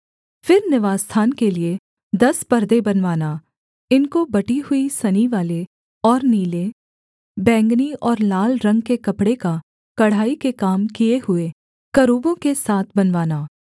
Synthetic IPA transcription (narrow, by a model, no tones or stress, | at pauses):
fɪɾnɪʋaːst̪ʰaːnkelie | d̪ɐspɐɾd̪ebɐnʋaːna | ɪnkobɐʈiɦʊisɐniʋaːle | ɔːɾniːle | bɛ̃ːŋɡniɔːɾlaːlɾɐ̃ŋɡkekɐpɽeka | kɐɽ̤aːikekaːmkijehʊe | kɐɾuːbõkesaːt̪ʰbɐnʋaːnaː